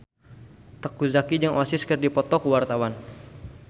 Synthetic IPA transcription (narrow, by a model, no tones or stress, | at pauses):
t̪əkuzakid͡ʒəŋʔwasɪskərdipɔt̪ɔkwart̪awan